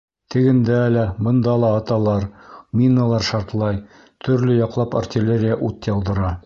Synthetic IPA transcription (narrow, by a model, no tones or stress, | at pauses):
t̪ʰɘ̆ɡɘ̆nd̪æælæbɤ̆nd̪ɑlˠɑːt̪ɑlˠɑɾmʲinːɤlˠɑɾʃɑɾt̪lˠɑj | t̪ʰɵ̆ɾlɘjɒqlˠɑpa̰rtʲɪlʲeɾʲɪjaʔut̪jɑlˠd̪ɤ̆ɾɑ